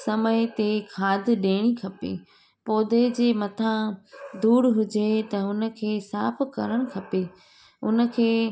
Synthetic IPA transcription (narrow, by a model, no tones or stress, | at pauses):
sɐməjt̪ekʰaːd̪ʱɪɗeːɽ̃ikʰɐpḛː | poːd̪ed͡ʑeːmɐt̪ʰãd̪uːɽɦʊd͡ʑet̪ɐʊnə̆kʰeːsaːpkɐ̰ɾəɽ̃̆kʰɐpe | ʊnə̆kʰeː